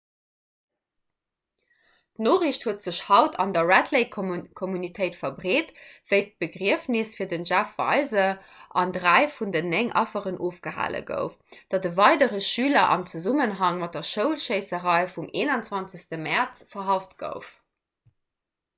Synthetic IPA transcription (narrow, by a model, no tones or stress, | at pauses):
d̥noːʁiɕthuətz̥əɕhɑʊtɑ̰ndɐɹætʰleɪkʰɔmunitʰəɪtfɐbʁeːtv̥əɪt̚b̥əɡʁiəfnisfiːɐdənʒæfvɑ̰ɪzə | ʔɑ̰ndʁæɪfundənːæŋʔɑ̰fəʁənʔoːfɡ̥əɦa̰ːlə̰ɡə̰ʊfd̥ɑdəvɑɪdəʁəʃyːlɐʔɑ̰mt͡səzumənɦɑŋmɑt̚dɐʃəʊlʃəɪsəʁɑɪfumʔeːnɑnt͡swɑnt͡səstəmæʁt͡sfɐɦɑftɡ̥ə̰ʊf